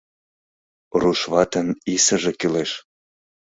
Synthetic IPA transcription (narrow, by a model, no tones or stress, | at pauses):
ruʃβɑt̪ə̆nisəʒĕkyleʃ